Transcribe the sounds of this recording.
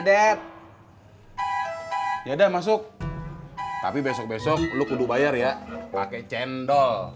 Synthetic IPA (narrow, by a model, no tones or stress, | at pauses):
dɛp̚ | d͡ʒadɛmas̬ʊk̚ | t̪a̰pibɛsɔk̚bɛsɔk̚lukuduk̚bajarjapakɛt͡ʃɛndɔl